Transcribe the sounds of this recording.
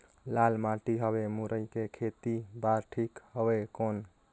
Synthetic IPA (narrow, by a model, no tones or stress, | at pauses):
lalmaʈiɦəbemuɾəjkekʰet̪ibaɾʈʰikɦəbekon